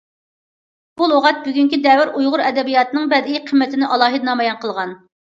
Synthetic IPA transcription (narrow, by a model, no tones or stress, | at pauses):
b̥ulˠoʁɑt̪̚byɡʲyŋkʲid̪ɛwɪɾujʁʊɾɛd̪ɛbijɑt̪ɨnɨŋbɛd̪iqʰəmːɛt̪ɪnɪʔɑlˠɑːɦɨd̪nɑmɑjɑnqʰəlˠʁɑn